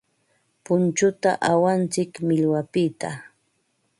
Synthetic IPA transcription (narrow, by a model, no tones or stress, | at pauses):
pʊnt͡ʃʊt̪a̰ʔawant͡sɪkmɪʎwapɪt̪a